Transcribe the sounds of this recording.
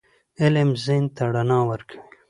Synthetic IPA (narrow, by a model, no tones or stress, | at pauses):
ɪlemzent̪aɽanɑːwəɾkʰawi